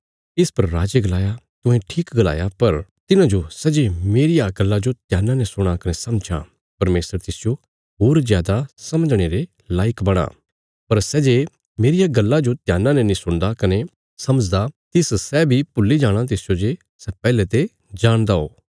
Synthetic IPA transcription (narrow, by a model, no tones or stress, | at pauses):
ɪspɐɾːaːd͡ʒeɡɐlaːjat̪ʊ̃ɦɛ̃ʈʰiːkɡɐla̰ːjapɐɾt̪ɪnãd͡ʒosɛːd͡ʒemeːɾɪjaɡɐlːad͡ʒot̪jaːnãnɛsʊɽ̃akɐnesɐmd͡ʒa̰ | pɐɾmeːsəɾt̪ɪsɪjo | ɦoːɾzjaːd̪asɐməd͡ʒɽ̃eːɾe | laːɪkbɐɽ̃a̰ː | pɐɾsɛːd͡ʒe | meːɾɪjaɡɐlːad͡ʒot̪jaːnãnɛnĩsʊ̃ɽ̃d̪akɐne | sɐməd͡ʒd̪at̪ɪssɛbʱipʊlːid͡ʒaːɽ̃ãt̪̬ɪsɪjod͡ʒe | sɛpɛːlɛt̪e | d͡ʒaːɽ̃d̪ao̰ː